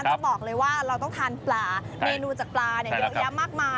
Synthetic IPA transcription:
a˧nt̪ɔ˥˩bɔː˨˩k̚lɤː˧jwaː˥˩ɾa˧wt̪ɔ˥˩ŋt̪ʰaː˧nplaː˨˩ | meː˧nuː˧t͡ɕaː˨˩k̚plaː˧ni˥˩ɐjo˦˥ja˦˥mːaː˥˩k̚maː˧

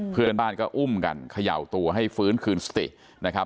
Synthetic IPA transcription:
pʰɯ˥˩ənbaː˥˩nkɔː˥˩ʔu˥˩mka̰˧nkʰa˧ja̰˨˩wt̪u˧ɐɦa˥˩jfɯː˦˥nkʰɯː˧nsḁ˧t̪ḭ˨˩ʔ | na˦˥kʰa˦˥

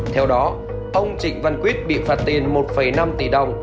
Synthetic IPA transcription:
t̪ʰɛ˧wɗɔ˨˦ | ʔə˧wŋ͡mt͡ɕï˧˨ŋ̟va˧˩nkwi˦˥ət̚ɓḭ˧˨faː˨˧˩t̚t̪i˨˩ənmo˨˩t̚fə˨˩jna˧mt̪i˨˩ɗə˨˩wŋ͡m

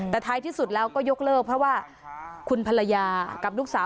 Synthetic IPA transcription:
t̪ɛː˨˩t̪ʰaː˦˥jt̪ʰiː˥˩su˨˩t̪̚lɛː˦˥wkɔː˥˩jo˦˥k̚lɤː˥˩k̚pʰɾɔ˦˥waː˥˩ | kʰu˧npʰa˧la˧jaː˧ka˨˩p̚luː˥˩k̚saː˩˦

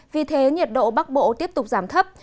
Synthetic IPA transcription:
vi˨˩t̪ʰe˨˦ɲi˨˩t̚ɗo̰˧˨ɓa˦˥k̚ɓo̰˧˨t̪i˦˥əp̚t̪ʊ˨˩k͡p̚z̥aː˧˩mt̪ʰə˦˥p̚

